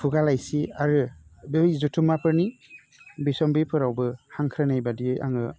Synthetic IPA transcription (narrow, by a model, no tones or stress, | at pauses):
pʰuɡalajsiaɾɯbejzutʰumapʰɯɾni | bisɔmbipʰɯɾawbɯhaŋkʰɾɯnajbadia̰ŋɯ